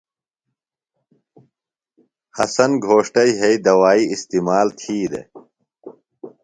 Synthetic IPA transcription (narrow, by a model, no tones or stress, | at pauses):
hɐsɐnɡʱoːʂʈɐiɦeid̪ɐwaːiist̪imaːlt̪ʰiːd̪ḛ